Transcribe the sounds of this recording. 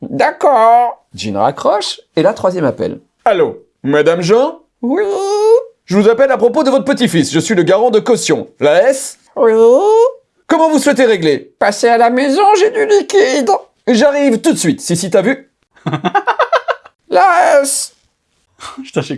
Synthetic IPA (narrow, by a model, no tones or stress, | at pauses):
d̪akɔʁ | d͡ʒḭnʁa̰kχɔʃelat̪χwazjɛmapɛ̰l | alo | mad̪amʒɑ̃ | wi | ʒəvuzapɛlapχɔpod̪əvɔt̪χəpət̪ifisʒəsɥiləɡaʁɑ̃d̪əkɔsjɔ̰̃laɛs | wi | kɔmɑ̃vuswɛt̪̬eʁeɡlepasealamezɔ̃ʒed̪ylikʲid̪ | ʒaʁivt̪ut̪sɥit̪sisit̪avy | laɛs | ʒt̪aʃɛ